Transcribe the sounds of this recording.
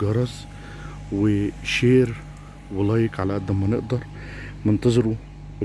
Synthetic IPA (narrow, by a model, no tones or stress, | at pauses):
ɡɑɾˤɑz | wɪʃeːɾ | wɑlɑːjɪkʕalæʔæd̪ːæmːænɪ̰ʔd̪ɑɾˤ | mɪnt̪ɑzˤɑɾu